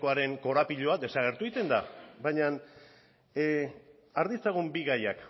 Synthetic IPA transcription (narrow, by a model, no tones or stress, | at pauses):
koaɾe̞ŋko̞ɾapiʎo̞ad̪e̞saɣ̞e̞ɾt̪uit̪e̞nd̪a̰baɲan | aɾðist͡saɣumbiɣajak